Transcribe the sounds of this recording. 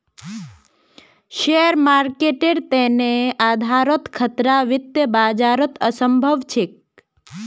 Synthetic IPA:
ʃeɾmaɾkeʈeɾt̪enead̪ʱaɾot̪kʰət̪ɾaʋɪt̪jəbaːd͡ʒaːɾət̪əsəmbʱəʋt͡ʃʰek̚

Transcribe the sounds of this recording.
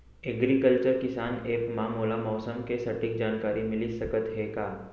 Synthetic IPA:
eɡɾikəlt͡ʃəɾkɪsaːneːkmãːmoːlamɔːsəmkesɐʈɪk̚d͡ʒaːnkaːɾimɪlisɐkət̪ɦɛkaː

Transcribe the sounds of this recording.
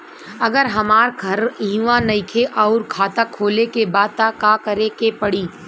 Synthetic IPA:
ɐɡəɾɦɐmaːɾɡʰʱɐɾɦĩːʋãnɐɪkʰeʔɔʊɾkʰaːt̪akʰːoːlekebaːd̪̚t̪akaːkɐɾekepɐɽiː

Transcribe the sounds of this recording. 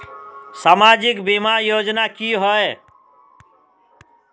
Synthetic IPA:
saːmaːd͡ʒɪkbimaɾjoːd͡ʒnakiɦɔe

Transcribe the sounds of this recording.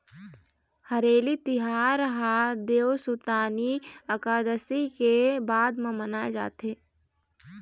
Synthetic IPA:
hɐɾeːlit̪ɪɦaːɾəɦad̪eːwsut̪aːniɐkaːd̪əsikebaːd̪mẽmənaːed͡ʒa̰ːt̪ɦeː

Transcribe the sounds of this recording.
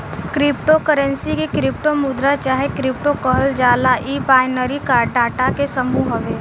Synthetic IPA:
kɾɪpʈokəɾə̃nsikikɾɪp̚ʈomʊd̪ɾat͡ʃaːɦekɾɪp̚ʈokɔɦld͡ʒaːlaʔiːbaːɪnəɾikaːɾʈaːɾʈakesəmuːɦəʋeː

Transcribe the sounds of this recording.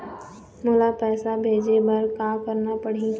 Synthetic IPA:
mʊlapɛːsabʱeːd͡ʒebɐɾkaːkəɾnapəɽ̤i

